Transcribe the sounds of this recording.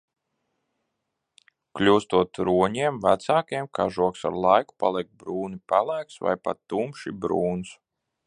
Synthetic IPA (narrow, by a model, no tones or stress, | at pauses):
klʲuːst̪uɔt̪ɾuɔɲiɛmvæt̪saːkjɛmkaʒuɔksa̰ɾlˠajku̥pa̰lˠik̚bɾuːnipælˠæjksva̰jpa̰t̪ːumʃḭbɾuːns